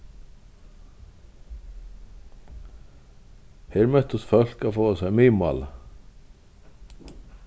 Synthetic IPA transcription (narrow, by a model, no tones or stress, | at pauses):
hɛɾmɛt̪ust̪fœl̥kaðfoːasɛɣmiːma̰ːla